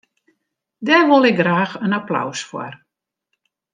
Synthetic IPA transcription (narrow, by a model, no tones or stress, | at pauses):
dɛrʋolˠɪɡ̚ɡraːxənapla̰wsfwɔ̰r